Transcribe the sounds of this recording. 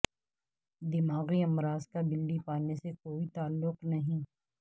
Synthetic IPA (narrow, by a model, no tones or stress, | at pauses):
d̪ɪmaːɣiɐmɾaːzkabɪlːipaːnesekoːit̪aːlːʊqnɐɦĩː